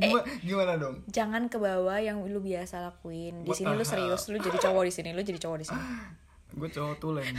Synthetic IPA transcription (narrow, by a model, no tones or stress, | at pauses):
ɡimaɡimanadɔŋd͡ʒaŋankəbawajaŋlubiasalakuɪndisinilʊsəɾiʊslʊd͡ʒadit͡ʃowɔdisinilʊd͡ʒadit͡ʃowɔdisini | ɡuat͡ʃowɔt̪ulɛ